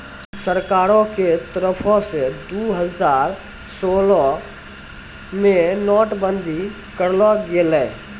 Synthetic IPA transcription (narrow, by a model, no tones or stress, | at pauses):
səɾkaːɾõket̪əɾəpʰõsed̪uːɦəzaːɾ | soːlɔ | mẽnɔːʈbə̃nd̪ʱi | kəɾlɔɡelɛ̃ː